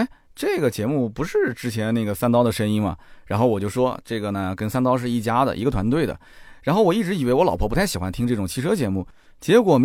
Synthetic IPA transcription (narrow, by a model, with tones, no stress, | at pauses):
ʈ͡ʂɤ˥˩ɡə˩t͡ɕjɛ˧˥mu˥˩pu˧˥ʂɻ̩˥˩ʈ͡ʂɻ̩˥t͡ɕʰjɛ˧˥nne˥˩ɡə˩sa˥˧nt̪ɑ˥ʊd̪ə˨ʂə˥ni˥nmɐ̰˨˩ɻa˧˥nxo˥˩ʊwɔ˨˩t͡ɕjo˥˩ʊʂwɔ˥ʈ͡ʂɤ˥˩ɡə˩nə˩kə˥nsa˥˧nt̪ɑ˥ʊʂ̬ɻ̩˥˧i˥˩t͡ɕja˥d̪ə̰˨ʔi˧˥ɡə˧t̪ʰwa˧˥nt̪we˥˩ɪd̪ə̰˩ | ɻa˧˥nxo˥˩ʊwɔ˨˩i˥˩ʈ͡ʂɻ̩˧˥i˨˩e˧˥wɔ˧˥lɑ˨˩ʊpʰɔ˥˩pu˧˥t̪ʰɕi˨˩xwa˧˥nt̪ʰi˥ŋʈ͡ʂɤ˥˩ʈ͡ʂʊ˨˩ŋt͡ɕʰi˥˧ʂɤ˥t͡ɕjɛ˧˥mu˥˩ | t͡ɕjɛ˧˥kwɔ˨˩m